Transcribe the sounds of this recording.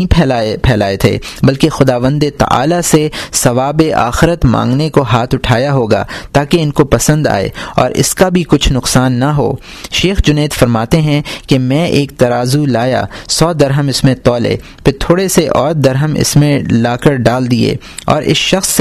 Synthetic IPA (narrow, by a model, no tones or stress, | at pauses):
ĩpʰɛapʰɛːlaːet̪ʰḛːbɐlkexʊd̪aːʋə̃nd̪et̪ɐ̰ʔa̰ːlasesɐʋaːbeʔa̰ːxɪɾət̪mã̰ːŋɡnekoɦaːt̪ʰʊʈʰaːjaɦoːɡa̰ːt̪aːkeɪnkopɐsə̃nd̪a̰ːḛːɔ̰ːɾʔɪ̰skabʱikʊt͡ʃʰnʊqsaːnːɐɦo̰ː | ʃeːxd͡ʒʊneːt̪fɐɾmaːt̪eɦɛ̃kemɛ̃ʔeːk̚t̪ɐɾaːzulaːja̰sɔːd̪ɐɾɦəmɪsmẽt̪ɔːlḛː | pʰɪɾt̪ʰoːɽeseʔɔːɾd̪ɐɾɦəmɪ̰smẽlaːkəɾɖaːld̪iḛː | ɔːɾʔɪ̰sʃɐxs